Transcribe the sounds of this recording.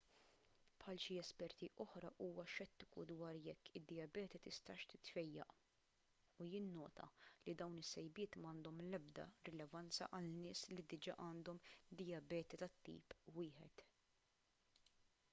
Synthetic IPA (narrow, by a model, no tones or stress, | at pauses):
pħɐlʃiɛspɛɾt̪iʔɔħɾɐ̰ʔuːwɐʃɛt̪ːɪkud̪wɐːɾjɛkːɪd̪ːɪjɐbɛːt̪it̪ɪst̪ɐːʃt̪ɪt̪fɛjːɐ̰ʔ | ujɪnːɔːt̪ɐ̰lid̪ɐwnɪsːɛjbɪːt̪mɐːnd̪ɔmlɛb̚d̪ɐ̰ɾɪlɛvɐnt͡sɐ̰ʔɐlnɪːslid̪ɪd͡ʒɐ̰ːʔɐːnd̪ɔmd̪ɪjɐbɛːt̪it̪ɐt̪ːḭːpwɪːħɛt̪